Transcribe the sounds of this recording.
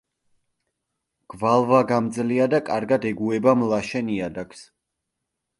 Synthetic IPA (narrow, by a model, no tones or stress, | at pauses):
ɡ̥valˠvaɡamd̪zliad̪akʼaɾɡad̪ɛɡuɛbamlˠaʃɛniad̪akʰs